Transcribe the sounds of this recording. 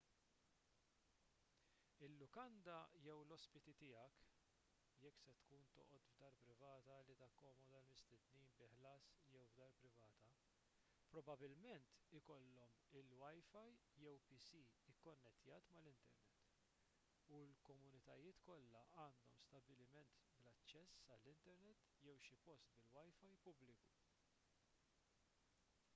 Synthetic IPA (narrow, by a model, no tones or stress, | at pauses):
ɪlːʊkɐnd̪ɐjɛwlɔspɪt̪it̪ɪːɐk | jɛkːsɛt̪kuːnt̪ɔ̰ːʔɔt̪vd̪ɐːɾpɾɪvɐːt̪ɐlit̪ɐkːɔːmɔd̪ɐlmɪst̪ɪd̪niːnbɪħlɐːsjɛwvd̪ɐːɾpɾɪvɐːt̪ɐ | pɾɔbɐbɪlmɛnt̪ɪkɔlːɔmɪlwɐjfɐjjɛwpisiɪkːɔnːɛt̪jɐːt̪mɐlɪnt̪ɛ̰ɾnɛt̪ː | ulkɔmʊnɪt̪ɐjɪːt̪kɔlːɐʔɐːnd̪ɔmst̪ɐbɪlɪmɛnt̪blɐt͡ʃːɛsːɐlːɪnt̪ɛɾnɛt̪ː | jɛwʃɪpɔst̪bɪlwɐjfɐjpʊblɪku̥